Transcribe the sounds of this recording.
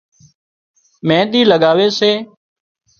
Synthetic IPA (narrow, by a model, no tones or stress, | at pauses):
mẽːɗ̪iːləɠaːʋeːseː